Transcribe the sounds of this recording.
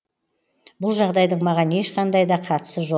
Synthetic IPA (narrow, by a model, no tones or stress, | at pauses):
bʊlˠʒɑʁd̪ɑjd̪əɴmɑʁɑne̞ʃqɑnd̪ɑjd̪ɑqʰɑt̪ə̥səʒo